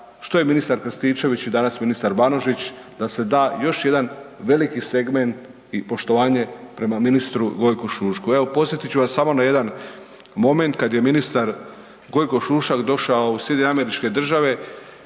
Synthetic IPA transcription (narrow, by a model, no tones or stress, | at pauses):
ʃt̪o̞je̞minist̪aɾkɾst̪iːt͡ʃe̞ʋit͡ɕid̪anasminist̪aɾbanoʒit͡ɕ | d̪ase̞d̪aːjo̞ʃje̞d̪anʋe̞likise̞ɡme̞nt̪ | ipo̞ʃt̪o̞ʋaːɲe̞pɾe̞maminist̪ɾuɡo̞jkoʃuːʃkue̞ʋo̞po̞set̪it͡ɕuʋasːamo̞naje̞d̪an | mo̞me̞nt̪̚kad̪je̞minist̪aɾ | ɡo̞jko̞ʃuːʃakd̪o̞ʃaousje̞d̪ʲeɲeame̞ɾit͡ʃke̞d̪r̩ʒaʋe̞